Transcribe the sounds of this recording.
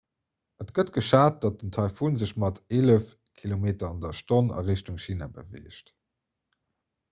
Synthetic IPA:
ʔətɡ̥ətɡ̥əʃaːt̚d̥ɑt̚əntʰɑɪfunzəʃmɑteːləf | kʰilomeːtɐɑndɐʃtonɑ̰ʁeʃtuŋʃiːna̰bə̰vḛːʃt

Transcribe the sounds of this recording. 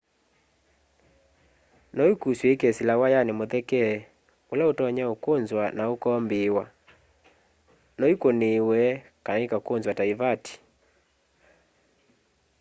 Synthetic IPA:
nɔikuswɛkɛsilawajanemoðɛkɛ | olaotɔɲaokonzwanaokɔmbewa | nɔikonewɛkanaikakonzwataivati̥

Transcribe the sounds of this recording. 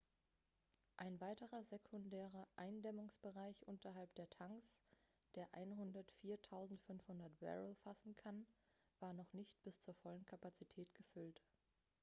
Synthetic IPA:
ʔaɪnvaɪtəʁɐzɛkʰʊndɛːʁɐʔaɪndɛmʊŋsb̥əʁaɪçʔʊntɐɦalp̚d̥eːɐtʰaŋs | d̥eːɐʔa̰ɪnɦʊndɐtfiːɐtʰaʊzn̩tfʏnfhʊndɐtb̥ɛ̰ʁəlfasn̩kʰanv̥aːɐnɔχnɪçt̚b̥ɪst͡suːɐfɔlənkʰapat͡sitʰɛːtɡ̥əfʏlt

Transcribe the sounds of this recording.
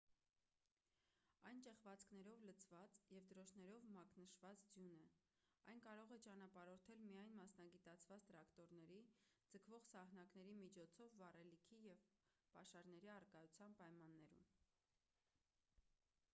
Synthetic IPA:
ɑjnt͡ʃɛχvɑt͡skʰnɛɾɔvlət͡sʰvɑt͡sjɛvd̪əɾɔʃʰnɛɾɔvmɑknəʃvɑt͡sd͡zjunɛ | ɑ̰jnkɑɾɔʁɛt͡ʃɑnɑpɑɾɔɾt̪ʰɛlmijɑjnmɑsnɑɡit̪ɑt͡sʰvɑt͡st̪əɾɑkt̪ɔɾnɛɾid͡zəkʰvɔʁsɑhn̪ɑknɛɾimit͡ʃʰɔt͡sʰɔvːɑrɛlikʰijɛv | pɑʃɑɾn̪ɛɾiɑrkɑjut͡sʰjɑnpɑjmɑnːɛɾṵm

